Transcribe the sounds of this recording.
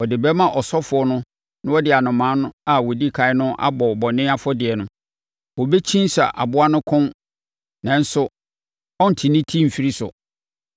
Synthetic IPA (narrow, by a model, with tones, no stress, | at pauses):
ɔ˨dɪ˨bɛ˦mã˦ʔɔ˨sɔ˦fʊ˨ɔ˦nʊ̃˦ | nʊ̃˦ɔ˦dɪ˨a˨nʊ̃˨mːã˨˦nʊ̃˦a˨wɔ˨di˦˨kʰa˨˦ɪ˦nʊ̃˦ʔa̰˦bɔ˨bɔ˨nɪ̃˦a˦fɔ˦dɪ˨ɛ˨nʊ̃˦ | ɔ˨be˦t͡ɕʰĩ˦n˦sa̰˨ʔa˨bʊ˦a˦nʊ̃˦kʰʊ̃˦n | nã˨n̩˦sʊ˦ | ɔ˦n̩˨tʰi˨nɪ̃˦tʰĩ˦m̩˨fi˦ɾi˦sʊ˨